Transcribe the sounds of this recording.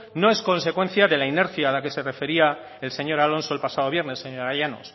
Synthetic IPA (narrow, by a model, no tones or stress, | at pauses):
no̞e̞sko̞nse̞kwe̞n̟θjaðe̞laine̞ɾθjaːlake̞se̞re̞fe̞ɾia | else̞ɲo̞ɾalo̞nso̞elpasað̞o̞βje̞ɾne̞sːeɲoɾajano̰s